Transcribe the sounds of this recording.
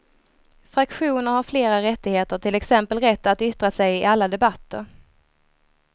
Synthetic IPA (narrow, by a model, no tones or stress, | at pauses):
fɾakɧuːnəɾhaɾfleːɾaɾɛt̪ːɪɡheːt̪əʈʰɪlɛksɛmpəlɾɛt̪ːat̪ʏt̪ɾasɛjɪʔalːad̪ɛbat̪ʰːə̰ɾ